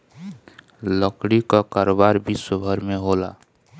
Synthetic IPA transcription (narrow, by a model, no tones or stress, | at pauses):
ləkɽikɔkaɾobaɾbisəbʱəɾmeɦola̰